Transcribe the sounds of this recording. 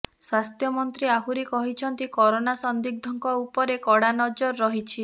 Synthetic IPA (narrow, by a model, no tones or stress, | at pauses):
swast̪ʰjɔmɔnt̪ɾiaɦuɾikɔɦit͡ʃʰɔnt̪ikɔɾonasɔnd̪ik̚d̪ʱɔŋkɔupɔɾekɔɽanɔd͡ʒɔɾɔːɔɦit͡ʃʰi